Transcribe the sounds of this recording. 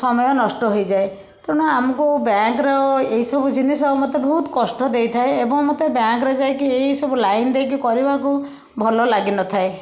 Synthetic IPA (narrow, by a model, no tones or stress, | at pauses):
sɔmɔjɔnɔsʈɔɦojd͡ʒae | t̪euɽ̃ɔamɔkubjakɾɔeɦisɔbʱud͡ʒinisɔbɔmot̪ebɔɦut̪ɔ̥kɔsʈɔd̪ejt̪ʰaeebɔŋmot̪ebjaŋkɾed͡ʒaekieɦisɔbulajnd̪ejkikɔɾibaku | bʱɔlɔlaɡinɔt̪ʰae